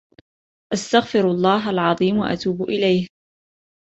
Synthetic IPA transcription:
ʔast̪aɣfɪɾɑlˤːɑːɦalʕɑðˤiːmwaʔa̰t̪uːbʔɪlajh

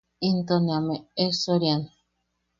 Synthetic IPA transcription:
int̪oniameesoɾjan

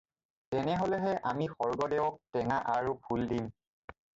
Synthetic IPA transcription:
tɛnɛɦolɛɦɛʔamixɔɹɡɔdɛwɔk̚tɛŋaʔaɹupʰuldim

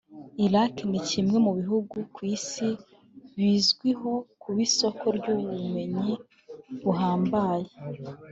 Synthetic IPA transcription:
iɾaknicimŋe̞muβiɦuɡukwiːsi | βiːzɡwiɦo̞kuβiso̞kʰo̞ɾɟuːβume̞ɲi | βuɦaːmbaːje

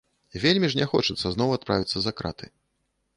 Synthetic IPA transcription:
vʲelʲmʲiʐnʲɛxɔt͡ʂɨt̪sːɐznɔwat̪̚pɾavʲit̪sːɐzakɾa̰t̪ɨ

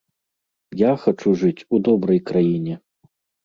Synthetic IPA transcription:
jaxat͡ʂuʐɨt͡sʲud̪ɔbɾɐjkɾajinʲɛ

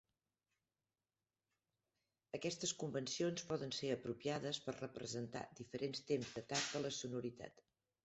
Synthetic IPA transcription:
əkɛst̪əskumbənsionspɔðənseəpɾupiaðəspərrəpɾəzənt̪a̰d̪ifəɾʔenst̪emzd̪ət̪ak̚d̪ələsunuɾit̪a̰t̪

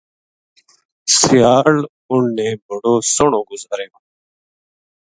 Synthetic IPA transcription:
sɪjaːl | ʊnnẽːbʱəɽoːsəɳõːɡʊzaːɾjoː

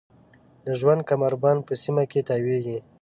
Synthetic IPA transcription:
d̪əʒwand̪̚kamaɾbɑnpəsimaket̪aweɡi

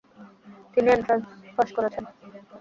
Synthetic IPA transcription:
t̪inient̪afɔʃkoɾet͡ɕʰen

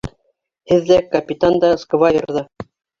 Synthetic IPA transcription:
hɘðːækɐpʲit̪and̪ɑskovɑjŏ̰ɾðɑ

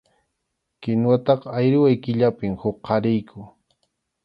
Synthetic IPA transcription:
kɪnwat̪ɑqajɾɪwajkɪʎapɪmhʊkʰːɑɾɪjkʰʊ

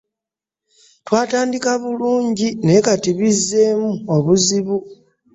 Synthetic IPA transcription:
twaːtaːndikaβuluːɲɟine̞katiβizːe̞ːmuoβuziβu

